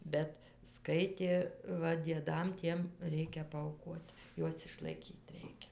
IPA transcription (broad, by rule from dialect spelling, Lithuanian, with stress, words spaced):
ˈbʲɛt ˈskɐɪtʲeː ˈʋɐ dʲiɛˈdɐm ˈtʲiɛm ˈrʲɛɪkʲɛ pɐɐʊˈkuɔt ˈjuɔs ɪʃlˠɐɪˈkʲiːt ˈrʲɛɪkʲɛ